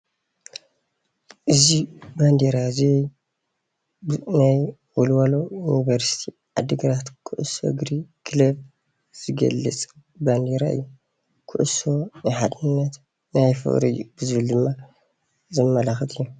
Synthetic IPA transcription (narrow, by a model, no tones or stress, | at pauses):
ʔɨziband̪eɾaziɛj | naj | wɔlwalojunivɐɾsi̥t̪ʰi | ʕad̪ɨɡɾat̪kʰɨʔɨso̰ɡɾikʰɨlɐb | z̥ɨɡɐ̰lːɨt͡sʼ | band̪eɾaɨ̰jːu | kʰɨʔɨso̞najħad̪ɨnːɐt̪ | najfɨ̰χʼɾḭjubɨzɨβɨld̪ɨmːa | zɐmɐlaxɐt̪ʰɨjːu